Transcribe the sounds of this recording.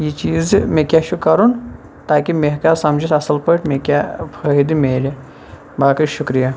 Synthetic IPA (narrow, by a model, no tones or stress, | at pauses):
jit͡ʃiːzmekʲaʃukɐɾun | t̪aːkimeɦkasɐmd͡ʒit̪ɐsɐlpəʈmekʲapʰɐɦid̪imeːɾi | baːkiʃukɾija